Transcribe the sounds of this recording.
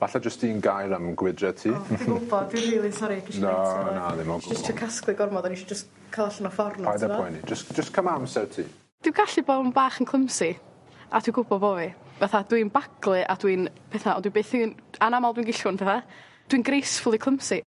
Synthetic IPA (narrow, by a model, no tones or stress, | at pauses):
vaɬad͡ʒəstinɡajɾamɡwɪdrɛtʰiːɡʊbɔdiriːlˠinsɔɾikʰiʃanaðɪmɔɡd͡ʒəstʰiːkʰasklˠɨɡɔrmɔdaniʃid͡ʒəs | kʰalˠaɬanɔfɔrnɔajðaɔjnid͡ʒəsd͡ʒ̥əskʰəmamsɛwtʰḭː | d̥ɪwɡaɬɨboːbaːχənkʰlˠəmsɪ | atʰiɡʊbɔvoːvivaθadwinbaɡlˠɨʔadwinpʰɛθaɔ̰ndwibeθɪnanamalˠdwinɡɪɬʊnpʰɛːθa | d̥wiːnɡrejsfʊlˠikʰlˠəmsi